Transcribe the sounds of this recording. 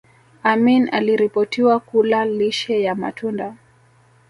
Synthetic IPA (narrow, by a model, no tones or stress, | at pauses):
amina̰liɾipɔtiwakulaliʃɛjama̰tʰunda